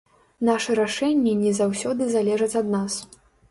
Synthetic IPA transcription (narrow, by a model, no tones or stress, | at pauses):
naʂɛɾaʂɛnʲːɛnʲɛzawsʲɔd̪ɨzalʲɛʐɐt͡sʲɐd̪nas